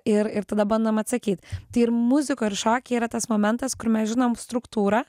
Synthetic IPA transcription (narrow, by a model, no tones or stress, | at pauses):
ɪɾɪɾt̪ɐd̪ɐbɐnd̪ɐmɐt̪sɐkʲiːt̪t̪ɐɪɪɾmʊzʲɪkoːɪɾʃoːkʲɛiːɾɐt̪ɐsmoːmʲɛnt̪ɐskʊɾmʲɛsʒʲɪnoːmst̪ɾʊkt̪uːɾɐ